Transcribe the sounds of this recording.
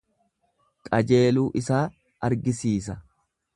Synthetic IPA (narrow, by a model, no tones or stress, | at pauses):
kʼɐd͡ʒe̞ːluːʔɪsaː | ʔɐɾɡɪsiːs̬ɐ